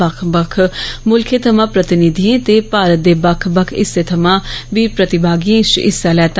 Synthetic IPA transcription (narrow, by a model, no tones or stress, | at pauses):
əkʰbəkʰmʊlkʰet̪ʰəmãːpɾət̪ɪnid̪ʱijẽːt̪eːpaːɾət̪̚d̪eːbəkʰbəkʰɪ̰seːt̪ʰəmãːʋiːpɾət̪ɪbaːɡiẽːʃɪ̰sːaːlɛːt̪